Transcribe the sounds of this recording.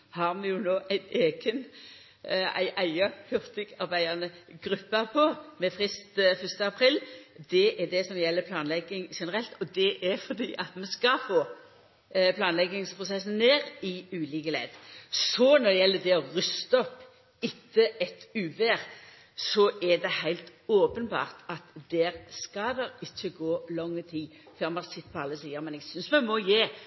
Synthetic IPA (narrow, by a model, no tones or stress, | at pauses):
hɑːɾmɛjʊnoːʔæɪt̪eːɡən | æ̰ɪʔæɪɑhʉʁt̪ɪɡɑɾbæɪɑʁnəɡɾʉpːəpʰɔmɛfʁɪst̪fʏst̪əɑpʰɾɪld̪ɛʔɛd̪ɛsɔmjɛlːəpʰlɑːnlɛɡːɪŋʂɛnəʁɛlt̪ɔd̪ɛʔæɾfɔɾd̪ḭːʔɑt̪mɛnskɑfoː | pʰlɑːnlɛɡɪŋspʰʁʊsɛsn̩neːɾɪʉːliːkəlḛːd̪sɔnɔɾd̪ɛjɛlːəd̪ɛɔʁʏst̪əɔpː | ɪt̪ʰːəɛt̪ʉːʋeːɾ | sɔʔɛd̪ɛhæɪlt̪oːpənbɑ̰ːʁt̪ɑt̪d̪ɛɾskɑʋɛːɾɪçːəɡoːlɔŋːət̪ʰiː | føɾmɑɾsɪt̪ːə̥pʰɔɑlːəsiːəɾmɛnɛɡsʏnsmɛnmɔjeː